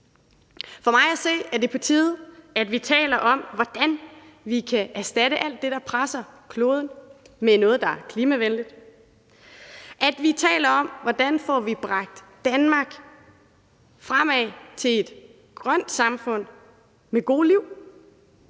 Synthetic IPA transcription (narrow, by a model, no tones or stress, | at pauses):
fɒ̽mɑ̈ɪæse̝̰ːæɐde̝pʰɒ̽t͡sʰḭːð̩ˠæd̥ʋit͡sʰɛ̰ːlɐʔɒ̽mʋɒd̥æn | ʋikʰæʔæɐsd̥æɾ̥əʔæl̰d̥ːe̝ɾ̥ɑ̈pʰʁasɐkʰlo̝ːð̞ˠn̩ | menɔ̽ːð̞̩ˠd̥ɑ̈æɐkʰliːmæʋenlid̥ | ʔæd̥ʋit͡sʰɛ̰ːlɐɒ̽m̰ʋɒd̥ænfɒʋib̥ʁɑ̈ɡ̥̚d̥ːænmɑ̈ːɡ̥ | fʁam̰ɛt͡sʰe̝le̝d̥ | ɡ̥ʁɶn̰d̥sɑ̈mfɔ̽n̰ | meɡ̥o̝̰ːliʊ̰